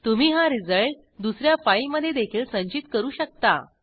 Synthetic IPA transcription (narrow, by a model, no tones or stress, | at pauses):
t̪umiːɦaɾid͡zəɭʈ | d̪usɾjafajməd̪ʱːjed̪ekʰiːlsə̃ɲt͡ɕit̪kəɾuːɕək̚t̪a̰